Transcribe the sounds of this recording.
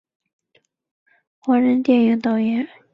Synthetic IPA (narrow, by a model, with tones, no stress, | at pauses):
xɔ˩˥ɻə˧˥nt̪jɛ˥˨njɑ˩˥˨t̪ɑ˥˨ʊjɛ˩˥